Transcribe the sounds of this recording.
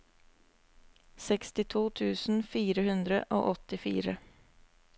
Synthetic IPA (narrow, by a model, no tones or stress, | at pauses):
sɛkst̪ɪt̪ʰuːt̪ʰʉːsn̩fiːɾəhʉnd̪ɾə̰ʔo̰ːʔɔt̪ɪfḭːɾə